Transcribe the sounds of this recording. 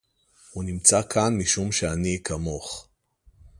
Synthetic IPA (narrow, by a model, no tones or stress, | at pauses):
hunimt͡sakʰanmiʃumʃeanikamo̞χ